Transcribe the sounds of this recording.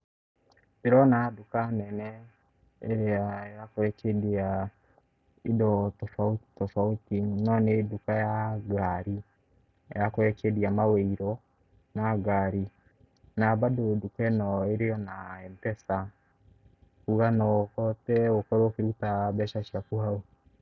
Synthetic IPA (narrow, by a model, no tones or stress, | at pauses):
eɾɔnadukanɛnɛ | eɾeajakoɛkedia | idɔtɔfautɔfautinɔnedukajaɡaɾi | jakoɛkediamaweiɾɔ | naɡaɾi | nabadodukɛnɔeɾeɔnaɛmpɛsa | kuɣanɔkɔtɛokɔɾookeɾutabɛʃaʃiakuao